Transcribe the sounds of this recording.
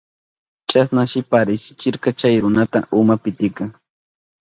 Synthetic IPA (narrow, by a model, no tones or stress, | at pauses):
t͡ʃasnaʃɪpaɾɪsɪ̥t͡ʃɪɾkɑt͡ʃajɾʊnat̪a̰ʔʊmapɪt̪ɪkaŋ